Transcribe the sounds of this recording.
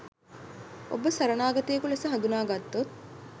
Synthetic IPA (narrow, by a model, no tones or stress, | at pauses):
o̰bəsɐɾɐnaːɡɐt̪ejɐkulesəɦɐ̃nd̪unaːɡat̪ːot̪̚